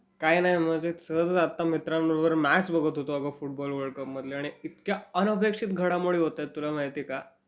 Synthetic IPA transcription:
kajnajm̤əɳd͡zesəɦəd͡zd͡zat̪ːamit̪ɾãnbəɾmæt͡ɕbəɡət̪ɦot̪oəɡafuʈ̚bɔlʋəɭkəpməd̪ʱleaɽ̃iit̪kjaənəpekʂit̪̚ɡʱəɽamuɽiːɦot̪ajt̪ːulaməjt̪ika

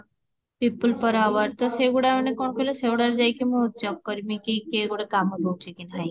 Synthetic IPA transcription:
pipːulpɔɾawaɾt̪ɔseɡuɽaonekɔɳkʰojleseuɽaɾd͡ʑajkimut͡ʃɔkːɔɾmikikeɡuɽekamod̪owt͡ɕikinɦaj

